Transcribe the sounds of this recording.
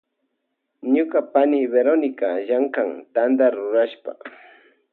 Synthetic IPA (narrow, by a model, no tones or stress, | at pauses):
ɲʊkapanɪbeɾonɪkaʒaɴkaŋt̪and̪aɾːʊɾaʃpa̰